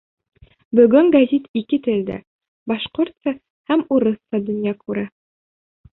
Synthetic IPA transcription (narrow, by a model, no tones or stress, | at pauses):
bɵ̆ɡɵŋɡɐzʲit̪ikɘt̪ɘ̆ld̪æ̰ | bɑʃqoɾt̪sɑ | hæmuɾɤsːɑd̪ɵ̆njɑkʰʉɾæ